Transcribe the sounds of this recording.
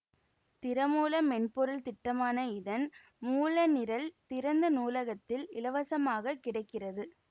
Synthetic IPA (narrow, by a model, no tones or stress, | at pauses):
t̪ɪɾɐmuːlɐmɛɳpɔɾɐlt̪ɪʈːɐmaːnɐɪðɐn | muːlɐnɪɾɐlt̪ɪɾɐnd̪ɐnuːlɐɣɐt̪ːɪlɪlɐʋɐsɐmaːɣɐkːɪɽɐɪkːɪrɐðɯ